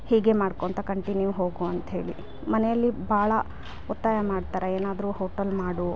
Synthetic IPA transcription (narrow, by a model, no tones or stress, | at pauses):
hiːɡe̞maːɽkoːnt̪ɐkɐɳʈinjuɦo̞ːɡuɐnt̪ɐɦe̞ːɭi | mɐnɛjɐlːibʱaːɭɐ | ɔt̪ːaːjɐmaːɖt̪aːɾeeːnaːd̪ɾuhoːʈɐlmaːɽu